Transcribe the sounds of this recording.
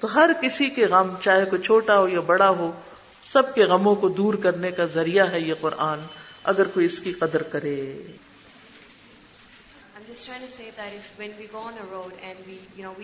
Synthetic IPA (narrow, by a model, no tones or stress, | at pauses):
t̪oːɦɐɾkɪsikeɣɐmt͡ʃaːɦekot͡ʃʰoːʈaɦojabɐɽaɦo | sɐb̚keɣɐmõkod̪uːɾkɐɾnekazɐɾijaɦɛjeqʊɾʔaːnɐ̰ɡəɾkoiɪskiqɐd̪əɾkɐɾeː | ãɪ̃md͡ʒʌstʰɾãɪ̃ŋtuseɪd̪æɾɪfwɛ̃nʋiɡoːə̃nəɾoʊdɛ̃nwijunoi